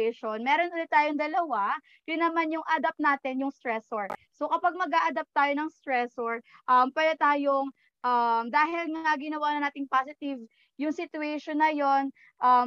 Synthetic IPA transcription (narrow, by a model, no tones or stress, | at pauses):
ɛʃonmɛːɾonʔʊlɪt̪ːaːjoŋd̪ɐlɐwa | jʊnɐmanjʊŋʔad̪ɐp̚naːt̪ɪnjʊŋst̪ɹɛsoɹso̞kɐpɐɡ̚mɐɡaʔɐd̪ɐp̚t̪aːjonɐŋst̪ɹɛsoɹ | ʔɐmpɛlɐt̪aːjoŋ | ʔɐmd̪aːhɪlŋɐɐɡɪnɐwaːnɐnaːt̪ɪŋpaːsɪt̪ɪv | jʊŋsɪt̪ʊɛʃonːɐjo̞n | ʔɐ